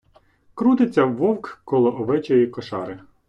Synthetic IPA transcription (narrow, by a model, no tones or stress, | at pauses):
kɾut̪ɪt͡sʲːɐʋɔwkkɔlˠɔʔɔʋɛt͡ʃɔjikɔʃɑ̰ɾɪ